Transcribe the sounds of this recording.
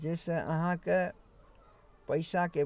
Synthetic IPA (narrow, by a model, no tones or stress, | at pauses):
d͡ʒesə̃ʔə̰ɦãke | pəɪsake